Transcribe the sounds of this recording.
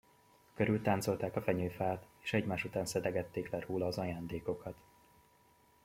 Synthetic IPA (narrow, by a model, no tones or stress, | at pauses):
køɾylt̪aːnt̪so̞lt̪aːkɒfɛɲøːfaːt̪e̥ːʃɛɟmaːʃut̪aːnsɛd̪ɛɡɛt̪ːeːklɛɾoːlɒːzɒjaːnd̪eːko̞kɒt̪